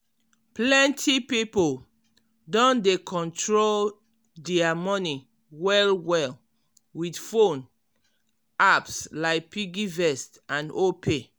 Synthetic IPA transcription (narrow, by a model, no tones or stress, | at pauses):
plɛ̃ntʰipipo | dɔ̃ndekʰɔ̃ntʰɹol | dɛamɔni | wɛlwɛl | widfõn | apslaɪk̚piɡivɛstãnopʰe